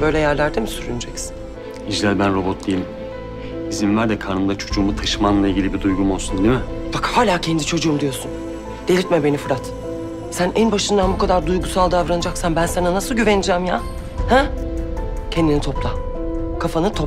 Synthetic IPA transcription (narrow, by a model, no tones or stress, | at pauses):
bø̞jlʲɛjæɾlʲæɾd̪emisyɾynyd͡ʒɛcsi̥n | id͡ʒlʲælʲbænɾo̞bot̪̚d̪ejilʲim | izimvæɾd̪ɛkʰaɾnɯmd̪at͡ʃʰo̞d͡ʒuːmut̪ʰaʃɯmanlˠailʲɟʲilʲibid̪ujɡumo̞lˠsund̪imɪbakhaːlʲaːcʰɛnd̪it͡ʃʰo̞d͡ʒuːmd̪ijo̞ɾsun | d̪̥e̞lʲit̪mɛbe̞nifɯɾat̪ | sænænbaʃɯnd̪anbukʰad̪aɾd̪ujɡusalˠd̪avɾanɯd͡ʒaksanbænsananasɯlˠɟyvenid͡ʒɛmja | hɛ | cʰɛnd̪init̪ʰo̞plˠa | kʰafanɯt̪ʰop